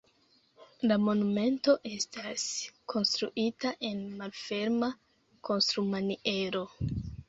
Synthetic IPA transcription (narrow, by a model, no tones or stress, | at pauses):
lamo̞nume̞nto̞ʔe̞stʰaskʰo̞nstɾuʔitaʔe̞nmalfe̞ɾma | ko̞nstɾumaniʔe̞ɾo̞